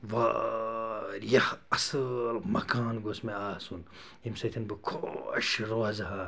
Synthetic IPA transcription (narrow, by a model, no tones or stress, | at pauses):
ʋa̰ | jɐhɐslmɐkaːnɡosmeaːsun | jimsɐt̪ʰɐnbɨkʰo̰ʃɾoɐzɐɦa